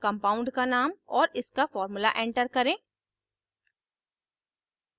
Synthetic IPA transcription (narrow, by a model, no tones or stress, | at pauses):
kɐ̃mpaːʊ̃ɳɖkanaːmɔːɾɪskafɔːɾmʊla̰ʔẽːɳʈəɾkɐɾẽː